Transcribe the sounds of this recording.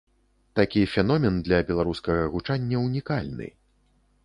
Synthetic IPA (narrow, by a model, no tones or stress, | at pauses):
t̪akʲifʲɛnɔmʲɛnd̪lʲɐbʲɛlˠaɾuskɐɣɐɣut͡ʂanʲːɐwnʲikalʲnɨ̰